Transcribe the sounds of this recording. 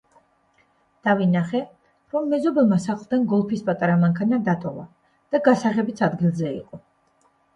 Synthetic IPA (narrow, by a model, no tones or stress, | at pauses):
d̪̥avinaχɛ | ɾɔmːɛzɔbɛlˠmasaχlˠd̪anɡɔlˠpʰispʼat̪ʼaɾamaŋkʰanad̪at̪ʼɔva̰ | d̪̥aɡasaʁɛbit̪sʰad̪ɡilˠzɛḭqʼɔ